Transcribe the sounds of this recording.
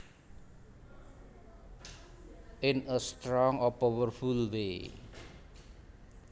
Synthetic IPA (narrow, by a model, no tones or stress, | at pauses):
ʔɪnəst̪ɾɔŋɔpɔwərfulwe